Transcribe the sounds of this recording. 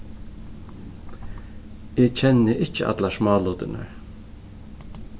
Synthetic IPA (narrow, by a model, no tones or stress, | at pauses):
eːt͡ʃʰɛnːɪʔɪt͡ʃːɪʔa̰t̪laʃmɑːluːt̪ɪna̰ɹ